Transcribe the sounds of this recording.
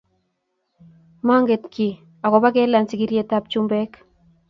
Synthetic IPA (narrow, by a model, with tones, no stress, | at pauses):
ma˦ŋɡe˨tkʰi˨ | a˨kɔ˨ba˦ke˦la˨nsi˨ki˦ɾje˦ta˦p̚t͡ʃu˦mbɛ˦k